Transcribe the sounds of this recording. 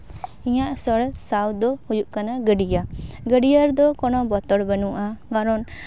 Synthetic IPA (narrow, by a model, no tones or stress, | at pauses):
iɲaʔsɔɽsawd̪ɔhujuʔkanaɡəɖijaɡəɖijaɾd̪ɔkɔnɔbɔt̪ɔɽbənuʔaɡaɾɔn